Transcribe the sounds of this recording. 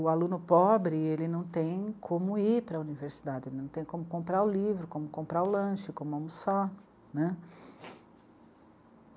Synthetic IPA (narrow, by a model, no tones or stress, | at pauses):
ʊalũnʊpɔbɾɪelɪnɐ̃w̃t̪ẽj̃kʰõmʊiɾpɾɐuniveɾsid̪ad͡ʒɪelɪnɐ̃t̪ẽj̃kõmʊkõmpɾaʊlivɾʊkõmʊkõmpɾaʊlɐ̃ʃɪkõmʊamusa | nɛ